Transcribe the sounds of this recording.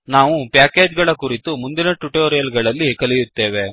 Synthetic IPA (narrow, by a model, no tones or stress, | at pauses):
naːʋupjaːkeːd͡ʒɡɐɭɐkuɾit̪umund̪inɐʈuʈoːɾjɐlɡɐɭɐlːikɐlijut̪ːe̞ːʋe̞